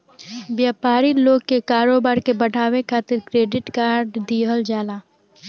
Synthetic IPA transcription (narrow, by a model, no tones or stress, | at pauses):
ʋjaːpaːɾiloːɡ̚kːekaːɾoːbaːɾkebɐɽʱaːwekʰaːt̪ɪɾkɾeːɖɪʈkaːɾɖd̪iːɦəld͡ʒaːlaː